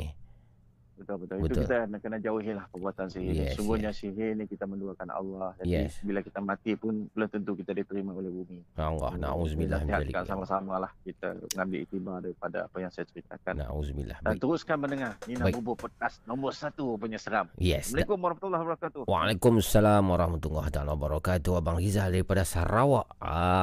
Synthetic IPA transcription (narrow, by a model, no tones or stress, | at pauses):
bət̪ʊlbət̪ʊliəukit̪anakənad͡ʒauɦɪlahpərbuat̪ansiɦɪnsuɡuhɲasiɦɪnikit̪amənduakanɑ̰lːɑhd͡ʒadɛibilakit̪amãt̪ipʊnpələnt̪ənt̪ukit̪adit̪əɾimaolɛhbumiala̰na̰uzbilaiɦakansamasamalahkit̪a̰ŋambiʔḭt̪ibadaɾipada̰a̰pajaŋsajat͡ʃəɾit̪a̰kanna̰ṵzbḭlːa̰hbdant̪əɾʊskanmənəŋarninaubɔpɔd̚kast̪nɔmbɔrsat̪upuɲasəɾamjɛsməlikʊmaɾahfat̪ulːahbəɾakat̪uwa̰lakʊmasalamwaɾɑhmat̪uŋaht̪alwabaɾɑkat̪uabaŋɾizadaɾipadasaɾawaʔa